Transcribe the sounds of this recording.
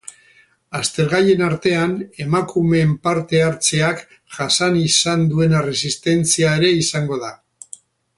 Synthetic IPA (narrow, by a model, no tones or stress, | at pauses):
ast̪e̞ɾɣ̞aje̞naɾt̪e̞ane̞makume̞mpaɾt̪e̞aɾt͡se̞ak | ʝasanisand̪ue̞nare̞sist̪e̞nt͡siae̞ɾe̞isaŋɡo̞ð̞a